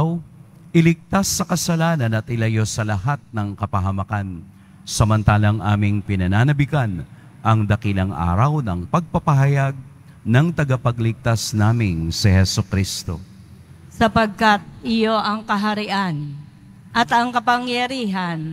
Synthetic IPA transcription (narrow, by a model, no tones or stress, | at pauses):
w | ʔɪlɪɡ̚t̪asːɐkɐsɐlaːnɐnɐt̪ʔɪlɐjo̞sɐlɐɦat̪̚nɐŋkɐpɐɦɐmɐkan | sɐmɐnt̪aːlɐŋʔa̰ːmɪŋpɪnɐnanɐbɪkan | ʔɐŋd̪ɐkilɐŋʔa̰ːɾɐwnɐŋpɐɡ̚pɐpɐɦɐjaɡ̚ | nɐŋt̪ɐɡapɐɡlɪɡ̚t̪asnaːmɪŋsɛhɛsokɾist̪o̞̰ | sɐpɐɡ̚kɐt̪̚ʔɪjoʔɐŋkɐɦɐɾɪʔan | ʔɐt̪ɐŋkɐpɐŋjɐɾiːɦɐn